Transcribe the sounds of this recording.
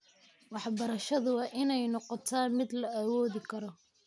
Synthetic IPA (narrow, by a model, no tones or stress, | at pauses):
wɑħbɐɾɐʃɐðʊwɑːʔɪnɛjnɔqɔt̪ʰaːnmɪd̪lɐawɔːðɪkʰɐɾɔ